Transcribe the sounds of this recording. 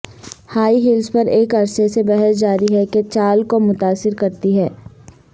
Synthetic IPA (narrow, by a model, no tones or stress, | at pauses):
haːiɦɪlspɐɾeːkɐɾsesebɛɦɛsd͡ʒaːɾiɦɛket͡ʃaːlkomʊt̪aːsɪɾkɐɾt̪iɦɛː